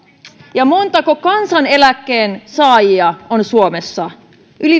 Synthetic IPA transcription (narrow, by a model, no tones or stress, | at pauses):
jɑmo̞nt̪ɑkokɑnsɑne̞lækːeːnsɑːjiɑonsuome̞sːɑ | ʔyli